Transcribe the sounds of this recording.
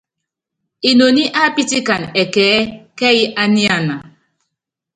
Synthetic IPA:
i˨no˨ni˦ʔa˦pi˦ti˦ka˨nɛ˨kɛː˨˦kɛ˦ji˦ʔa˦ni˦a˨na˨

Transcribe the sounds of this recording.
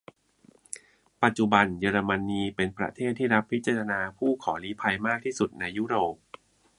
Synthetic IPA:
pa˨˩t̪̚t͡ɕu˨˩ba˧njɤː˧ɾa˧ma˧nːiː˧pe˧npɾa̰˧t̪ʰeː˥˩t̪ʰːiː˥˩ɾa˦˥pʰːi˦˥t̪̚t͡ɕaː˧˩ɾʰa˧naː˧pʰuː˥˩kʰɔː˩˦liː˦˥pʰa˧jmaː˥˩k̚t̪ʰiː˥˩su˨˩t̪̚na˧jːuː˦˥ɾoː˨˩p̚

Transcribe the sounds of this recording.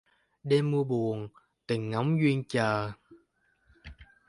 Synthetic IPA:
ɗe˧mːu˧əɓu˨˩əŋ | t̪ï˨˩ŋ̟ːɔ˨˦wŋ͡mzwi˧ənt͡ɕəː˨˩

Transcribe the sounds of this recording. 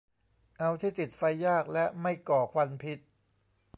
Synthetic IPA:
ʔa˧wt̪ʰiː˥˩t̪i˨˩t̪̚fa˧jːaː˥˩k̚lɛ˦˥ʔma˥˩jkɔː˨˩kʰwa˧npʰi˦˥t̪̚

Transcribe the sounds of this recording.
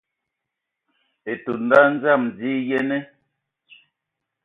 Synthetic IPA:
e˨tu˨nda˦n̩˦za˦˨md͡ziː˦jɛ˦nɛ˦

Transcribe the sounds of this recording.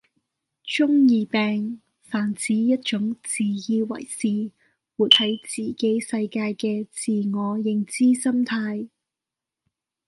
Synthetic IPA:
t͡ʃʊ˥ŋjiː˧pɛː˨˧ŋ | faː˨˩nt͡siː˨˥jɐ˥t̚t͡ʃʊ˨˥ŋt͡siː˨jiː˧wɐ̰˨˩jsiː˨ | wuː˨˩t̪̚hɐ˨˥jt͡siː˨˩ke˨˥jsɐ˧jkaː˧jkɛː˧t͡siː˨ŋɔː˨˧jɪ˧ŋt͡siː˥sɐ˥mt̪ʰaː˧j

